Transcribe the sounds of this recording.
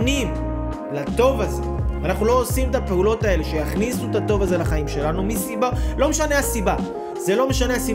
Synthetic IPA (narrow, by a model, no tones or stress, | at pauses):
nim | lat̪o̞vaze̞̰anaχnulo̞ːsimet̪ape̞ulo̞tae̞le̞ʃe̞jaχnisuet̪at̪o̞vaze̞laχaimʃe̞lanumisibalo̞meʃaneasiba | ze̞lo̞me̞ʃaneasi